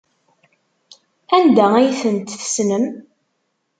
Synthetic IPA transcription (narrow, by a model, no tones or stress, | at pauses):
ænd̪ææjθənt̪θə̥snəm